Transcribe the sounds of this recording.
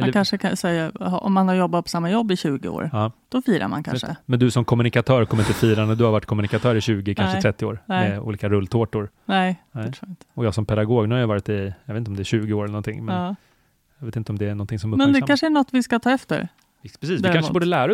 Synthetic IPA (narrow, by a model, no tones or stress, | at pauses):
ɛakʰanʂəkʰasɛjːaɔ̰mːanaɾjɔbːat̪̚pʰɔsamːajɔbːɪɕʉ̟ːɡɪ̰o̰ːɾɑːd̪̥ɔfiːɾa̰ɾma̰nkʰa̰nʂə̰mɛnd̪ɵsɔmkʰɔmːɵnɪkat̪ʰœːɾkʰɔmːəɾɪt̪əfiːɾand̪əd̪ɵhaɾvaʈːkʰɔmːɵnɪkat̪ʰœːɾɪɕʉ̟ːɡɪkʰanʂəɾɛt̪ːɪoːɾnɛṵːliːkaɾɵlːt̪ʰoːʈʊɾnɛnɛɾuːɪnt̪ʰə̥ɔjɑːsɔmpʰɛd̪aɡoːɡnhajvɑːɾɪt̪ɪjɑvet̪ɔmd̪ɛæɕʉ̟ːɡɪoːɾɛlənɔnt̪ʰɪ̰ŋːmɛnː | jɑveːt̪ɪnt̪əɔmd̪ɛæɳnɔnt̪ʰɪŋsɔmmɛnd̪ɛkanʂəæɳɔt̪ːvɪskat̪ʰɑːɛft̪ə̰ɾ | pʰɾɛsiːsd̪ɪɾkanʂəːbuːɖəlæːɾa